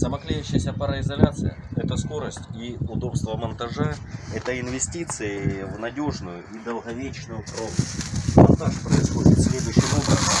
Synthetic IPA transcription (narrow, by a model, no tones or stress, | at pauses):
səmɐklʲajʉɕːɪjəsʲəpɐɾəɪzɐlʲat̪sɨ̰jə̰ɛt̪əsko̞ɾəsʲtʲiʊd̪o̞pst̪vəmɐnt̪ɐʐɛɛt̪əɪnvʲɪsʲtʲit̪sɨɪvnɐdʲoʐnʊjʊid̪əlˠɣɐvʲet͡ɕnʊjʊkɐlˠovnəsʲtʲmɐnt̪aʂpɾəɪsxodʲɪt̪sʲlʲed̪ʊjɕːɪmobɾəz